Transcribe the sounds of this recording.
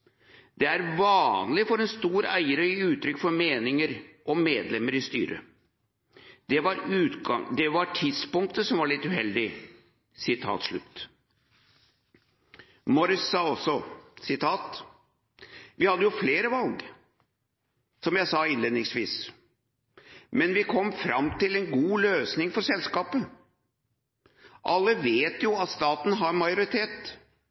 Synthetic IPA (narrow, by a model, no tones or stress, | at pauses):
d̪ɛæɾʋɑːnlɪfɔɾɛnst̪uːɾæ̰ɪəɾəʉːt̪ʰɾʏkːfɔɾmeːnɪŋəɾʔɔmeːd̪lɛmːəɾɪst̪y̰ːɾʔə̰ | d̪̥ɛʋɑɾʉːt̪ɑŋd̪ɛʋɑʈʰɪd̪spʊŋk̚t̪əsɔmʋɑɭɪt̪ːʉhɛld̪ɪ | sɪt̪ʰɑ̰ːt̪ʂɭʉ̰t̪ː | mɔɾɪsːɑːɔsːɔsɪt̪ʰɑːt̪ | ʋɪhɑd̪ːəjʊfleːɾəʋɑlɡ | sɔmjæɪsɑːɪnleːd̪nɪŋsʋiːs | mɛnʋɪkʰɔmːfɾɑmt̪ɪlɛnɡuːløːsnɪŋfɔɾʂɛlskɑːpə | ʔɑlːəʋeːt̪jʊɑt̪st̪ɑːt̪n̩ɦɑɾmɑjʊɾɪt̪ʰeːt̪